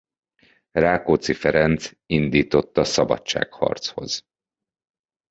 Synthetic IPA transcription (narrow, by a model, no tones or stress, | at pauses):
raːkoːt̪sifɛɾɛnt̪s | ind̪iːt̪o̞t̪ːɒsɒbɒ̰tt͡ʃːa̰ːkhɒ̰rt̪sho̞̰z̥